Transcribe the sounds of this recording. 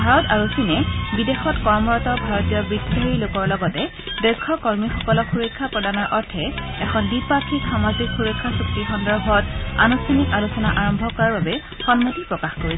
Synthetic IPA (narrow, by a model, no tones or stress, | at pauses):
bʱaɹɔtaɹusinɛbidexɔtkɔɹmɔɹɔtɔbʱaɹɔtijɔbɹitʰːɔɦeɹilokɔɹlɔɡɔtɛ | dɛɹkʰːɔkɔɹmixɔkɔlɔxuɹɔkʰːapɹɔdanɔɹʔɔɹtʰɛɛkʰɔnbipakʰikxamazikxuɹɔkʰːasɹuk̚tixɔndɔɹbʱɔta̰nustʰanikalusɔnaʔaɹɔmbʱɔkɔɹaɹbabɛ | xɔnmotipɹɔkaxkoɹisɛ